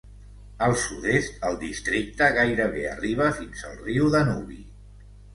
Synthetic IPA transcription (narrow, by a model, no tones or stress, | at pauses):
əlˠsuðest̪əlˠd̪ist̪ɾik̚t̪əɣajɾəβeə̰riβ̞əfinzəlˠriwðənuβḭ